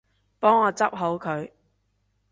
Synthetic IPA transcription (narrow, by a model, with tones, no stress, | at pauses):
pɔː˥ŋɔː˨˧t͡sɐ˥p̚ɦo˨˥wkʰɵ˨˧ɥ